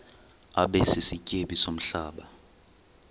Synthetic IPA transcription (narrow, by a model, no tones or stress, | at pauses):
aɓɛsisicʼeɓisom̩ɬaːɓa